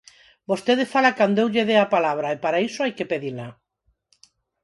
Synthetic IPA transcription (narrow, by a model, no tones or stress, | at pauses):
bost̪eðefalakand̪oewʎeðeapalaβɾaepaɾaisoajkepeðila